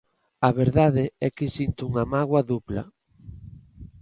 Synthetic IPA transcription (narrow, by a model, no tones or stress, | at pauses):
ɐβeɾðaðɪɛkɪsint̪uuŋamaɣwɐðuplɐ̰